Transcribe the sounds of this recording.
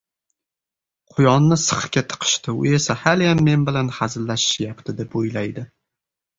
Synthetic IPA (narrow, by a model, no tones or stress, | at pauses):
qʰʊjɒnːɪsɨ̥χkʲat̪ʰɨ̥qʰɨ̥ʃt̪ɪʊ̰e̞sahaljamːe̞nbɪlanhazɪlːaʃɪ̥ʃjapt̪ʰɪd̪e̞pojlajd̪ɪ